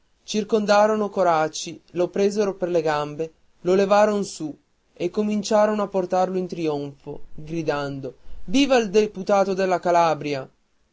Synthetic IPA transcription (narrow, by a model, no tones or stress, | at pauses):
t͡ʃirkond̪aːɾonokoɾat͡ʃːilopɾeːzeɾoperleɡambe | lolevaːɾonsu | ekːomint͡ʃaːɾonoapːort̪arloint̪ɾioɱfoɡɾid̪and̪oviːvaild̪eput̪aːt̪od̪elːakalabɾja